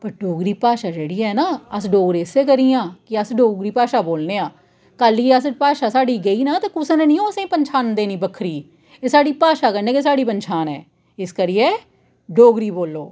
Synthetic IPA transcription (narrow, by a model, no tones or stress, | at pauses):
pəɾɖoːɡɾiːpaːʃaːd͡ʒeːɽiːɛːnaːəsɖoːɡɾeːɪseːkəɾiːãːkɪəsɖoːɡɾiːpaːʃaːboːlneːaː | kəliːəspaːʃaːsaːɖiːɡəiːnaːt̪aːkʊsnẽːnĩːõːəsẽːpəɲt͡ʃʰaːnd̪eːnĩːbəkʰɾiː | eːsaːɖiːpaːʃaːkəɾnẽːkes̬aːɽiːpənt͡ʃʰaːnɛ̰ː | ɪskəɾijeː | ɖoːɡɾiːboːlːoː